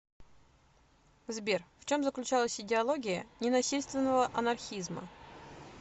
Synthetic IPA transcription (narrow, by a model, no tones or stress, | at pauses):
zbʲerft͡ɕo̞mzəklʲʉt͡ɕalˠəsʲɪdʲɪɐlˠoɡʲɪjənʲɪnɐsʲilʲst̪vʲɪnːəvəʔɐnɐrxʲizmə̰